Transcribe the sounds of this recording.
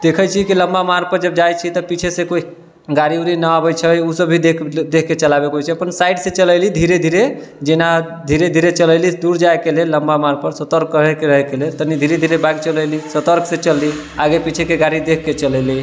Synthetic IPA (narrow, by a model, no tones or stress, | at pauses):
d̪̥ekʰəjt͡ʃʰikiləmbamaɾpəɾd͡ʒəbd͡ʒajt͡ʃʰit̪ɔpit͡ʃʰesẽkoi | ɡaɾiuɾinəabət͡ʃʰəusəbʱid̪kd̪ekʰkːet͡ʃəlabekɦojt͡ʃʰiəpənsaiɖsẽt͡ʃələɪlid̪ʱiɾed̪ʱiɾe | d͡ʒena | d̪ʱiɾed̪ʱiɾet͡ʃələlid̪uɾd͡ʒaekelelləmbamaɾpəɾsət̪əɾɡəɦekeɾəɦɛkelelt̪ənid̪ʱiɾed̪ʱiɾebaɡit͡ʃələjlisət̪əɾksẽt͡ʃəlːi | aɡepit͡ʃʰekeɡaɾid̪ekʰːet͡ʃələli